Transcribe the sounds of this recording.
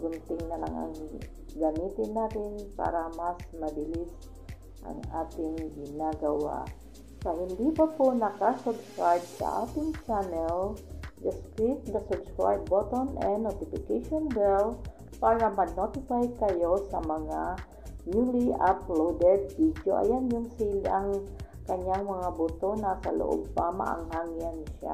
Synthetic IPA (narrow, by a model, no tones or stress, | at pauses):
bunt̪iŋnala̰ŋa̰n | ɡamit̪inaɾiŋpa̰ɾamasmabilis | a̰ŋat̪iŋɡinaɡawa̰ | saʔind̪ipəponakasubskɾajb̚sa̰a̰t̪iŋt͡ʃanɛld̪ɪskɹit̪̚nɐsʊbskɹa̰jb̚bot̪onʔɛnːot̪ɪfɪkajʃonbɛl | paːɾɐmɐnot̪ɪfajkɐjo̞sɐmɐŋa | mjuliʔaplowd̪ɛd̪̚vid̪jo̰ʔɐ̰janjʊŋsilɐŋ | kɐɲaŋmɐŋabʊt̪onasɐlo̰ʔo̰b̚pamɐ̰ʔa̰ŋhaŋjanʃa̰